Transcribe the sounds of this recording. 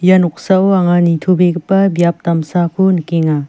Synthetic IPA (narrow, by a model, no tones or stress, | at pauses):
januk̚saoaŋanitʰubek̚pɐbjap̚tamsakʰonkeŋa